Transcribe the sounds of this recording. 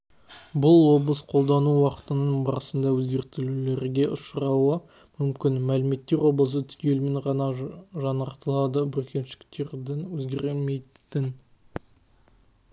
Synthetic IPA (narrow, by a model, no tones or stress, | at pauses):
bʊlˠwo̞blˠəsqʰo̞lˠd̪ɑnuwɑqə̥t̪ənəbɑɾəsənd̪ɑwɵzɡʲe̞ɾt̪ɪlle̞ɾɡʲe̞ʔʊʃəɾɑwə | mʏmkʲɪnmælɪme̞t̪ːe̞ɾwo̞blˠəs̬ət̪ʰʏ̥kʲe̞lmeɴʁɑɑʒɑnəɾt̪əlˠɑd̪əbʏɾkʲʰe̞nʃɪ̥kt̪e̞ɾd̪ɪnwɵzɡʲe̞ɾlmejt̪ɪn